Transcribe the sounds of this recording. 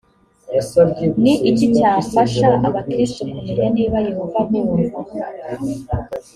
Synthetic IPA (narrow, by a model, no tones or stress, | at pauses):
niʔicicaːɱfaʃaʔaβakɾistokumejeniːβajehovanimuu